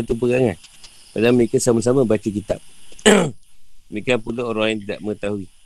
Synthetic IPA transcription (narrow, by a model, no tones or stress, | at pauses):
at̪up̬əɡaŋan | padaŋməɾekasamas̬amãbat͡ʃuk̬it̪a̰p̚ | mikanpulooɾaŋlajaŋt̪ida̰ʔməŋət̪aɦui